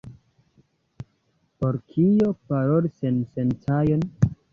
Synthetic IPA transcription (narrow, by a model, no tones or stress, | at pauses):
poɾkʰijopaɾolisensentʰajon